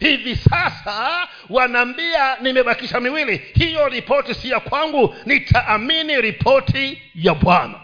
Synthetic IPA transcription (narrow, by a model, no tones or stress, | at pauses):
hivisasa | wanambianimɛɓakiʃamiwilihijɔɾipɔtisijakwaŋɡunitʰaʔːminiɾipʰɔtʰi | jaɓwana̰